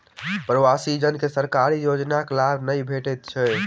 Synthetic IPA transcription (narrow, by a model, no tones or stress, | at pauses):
pɾəwasid͡ʒənkesəɾkaɾijod͡ʒnaklabnəjbʱeʈɛt̪̚t͡ʃʰɛ